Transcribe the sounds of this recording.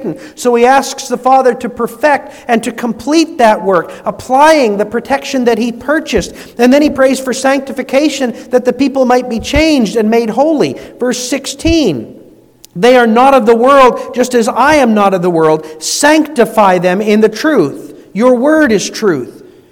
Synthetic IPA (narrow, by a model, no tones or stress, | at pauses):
ʔn̩ | soʊiæsksðəfɑðə˞ɾɨpʰə˞fɛk̚t | ɨ̃ntʰɨkʰə̃mpʰl̥it̪̚ðɨt̚wɜ˞kəpʰl̥aɪɪ̃ŋðɨpʰɹ̥ɨtʰɛkʃɨ̃nðɨt̚hipʰɜ˞t͡ʃɨst | ɨ̃nðɨ̃ñipʰɹ̥eɪz̥fə˞sæ̃ŋk̚tɨfɨkʰeɪʃɨ̃nðɨt̪̚ðɨpipl̩ˠmaɪt̚b̥it͡ʃʰẽɪ̃nd͡ʒdɨ̃nmeɪd̚ɦoʊlˠivɜ˞sɪkstʰĩn | ðeɪə˞nəɾʌvðəwɜ˞lˠd̚d͡ʒʌstɨzaɪɨ̃mnəɾʌvðəwɜ˞lˠd̚sæ̃ŋk̚tɨfaɪðɨ̃mɪ̃nðɨtʰɹ̥uθ | jə˞wɜ˞ɾɨz̥tʰɹ̥ʉθ